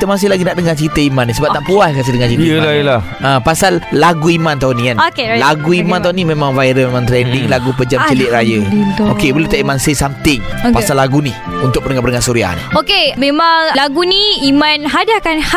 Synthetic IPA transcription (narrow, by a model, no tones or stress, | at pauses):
kit̪əmasɪlaɡinaʔdəŋat͡ʃəɾit̪əimanːisəbap̚naʔpuahkas̬ədəŋat͡ʃit̪jəlajəla | apasalːaɡuimant̪̬aunĩkanokelaɡuimãnt̪aunĩmẽmãŋvaiɾəmemãŋt̪ɾɛndɪŋlaɡupəd͡ʒamt͡ʃəlɪʔ̪̚ɾajət̪okebəlet̪aʔimansəsamt̪ɪŋpasalːaɡuni | unt̪ʊk̚pənəŋapəɾnəŋasuɾia̰a̰nokemẽmãŋlaɡuniimanɦadaakanha